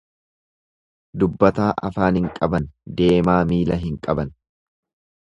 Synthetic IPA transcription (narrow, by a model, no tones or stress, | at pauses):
d̪ʊbːɐt̪aːʔɐfaːnhɪŋkʼɐbɐnd̪e̞ːmaːmiːlɐɦɪŋkʼɐbɐn